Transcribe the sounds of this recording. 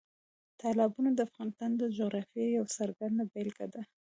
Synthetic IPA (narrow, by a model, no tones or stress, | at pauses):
t̪ʰalɑbunod̪əafɣɑnɪst̪ɑnd̪əd͡ʒoɣɾɑfjejawsaɾɡand̪abelɡad̪a